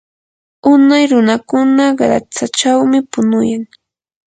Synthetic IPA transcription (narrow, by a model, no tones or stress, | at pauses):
ʊnajɾʊnakʊnaɢɾa̰t͡sat͡ʃawmɪpʊnʊjaŋ